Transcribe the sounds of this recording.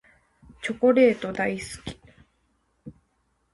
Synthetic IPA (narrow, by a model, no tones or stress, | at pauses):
t͡ɕo̞ko̞ɾe̞ːt̪o̞d̪aisɨ̥kʲi̥